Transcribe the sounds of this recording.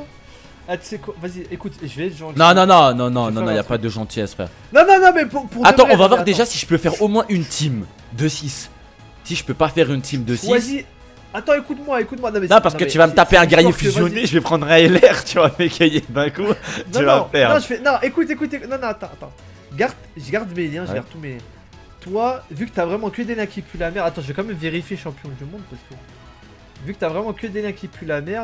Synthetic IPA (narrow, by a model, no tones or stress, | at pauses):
at̪y̥sɛkwavaziekut̪ʒəvɛʒɑ̃nɔ̃nɔ̃nɔ̃nɔ̃nɔ̃nɔ̃nɔ̃iljapad̪əʒɑ̃t̪ʰiasə̥fɛ̰ːʁ | nɔ̃nɔ̃nɔ̃mɛpupuʁdat̪ɑ̃ʁɔ̃vavwaʁd̪eʒasiʒə̥pøfɛʁomwɛ̃ʔynt̪ʰim | d̪əsisː | iʒəpøpafɛʁynt̪ʰimd̪əsivsi | at̪ɑ̃ekut̪mwaekut̪mwanɔ̃mɛnɔ̃paʁsəkət̪yvamət̪apeɛ̃ɡaʁjefyzjɔneʒəvɛpχɑ̃d̪ʁɛɛlɛʁt̪yvamekʲʰəjed̪ɛ̃kuɔyvãfɛʁnɔ̃ʒəfɛnɔ̃ʔekut̪ekut̪eknɔ̃nɔ̃at̪ɑ̃at̪ɑ̰̃ | ɡaʁd̪ʒəɡaʁd̪meljɛ̃ʒəɡaʁd̪̚t̪umeljɛ̃ | t̪wavykə̥t̪yavʁɛmɑ̃kʲəd̪elɛ̃kʲipylamɛʁat̪ɑ̃ʒəvɛkɑ̃mɛmveʁifjeʃɑ̃pjɔ̃d̪ymɔ̃d̪̚paʁsə̥kə | vykət̪yavʁɛmɑ̃kʲəd̪elɛ̃kʲipylamɛʁ